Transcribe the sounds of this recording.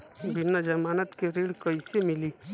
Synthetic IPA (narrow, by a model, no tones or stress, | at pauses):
bɪnːad͡ʒɐmaːnət̪keɾiːɽkəisemɪli